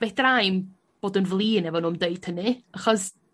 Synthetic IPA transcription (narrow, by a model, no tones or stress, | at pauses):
b̥edrajm | b̥oːdənvlˠiːnɛvɔnʊmdeɨd̥hənɨaχɔs